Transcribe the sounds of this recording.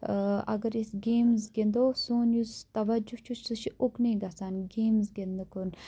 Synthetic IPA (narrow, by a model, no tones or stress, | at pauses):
ɐ̰ɡɐɾisɡeːmzɡend̪oːsoːnjuzt̪ɐʋɐd͡ʒut͡ʃʰusuʃiʔukniːɡɐsanɡeːmzɡend̪ɐkun